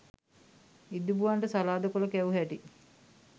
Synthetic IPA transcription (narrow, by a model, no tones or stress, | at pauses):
id̪ubuʋaɳʈəsalaːd̪əkoləkæuɦæʈi